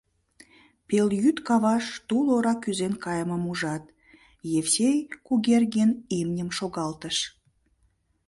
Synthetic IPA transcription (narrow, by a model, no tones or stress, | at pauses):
peljyt̪kɑβɑʃt̪uloɾɑkyzenkɑjəməmuʒɑt̪ | jefsʲejkuɣerɣenemnʲəmʃoɣɑlt̪əʃ